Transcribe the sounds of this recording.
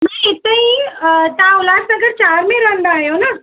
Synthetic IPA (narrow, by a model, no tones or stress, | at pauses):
mɛ̃ɪt̪ait̪ãʊlaːsɐɡəɾt͡ʃaːɾmẽɾɐ̃ɦnd̪aːɦɛjõːnaː